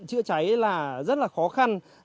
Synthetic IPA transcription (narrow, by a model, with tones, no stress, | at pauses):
t͡ɕɨ̰˧˥ət͡ɕa˨˦jlaː˨˩zə˦˥t̚laː˨˩xɔ˨˦xa˧n